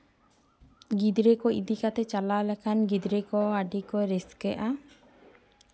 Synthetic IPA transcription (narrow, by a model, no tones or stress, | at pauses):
ɡid̪ɾekɔid̪ikat̪ɛt͡ʃalalɛkʰanɡid̪ɾekɔaɖikɔɾɛskɛʔa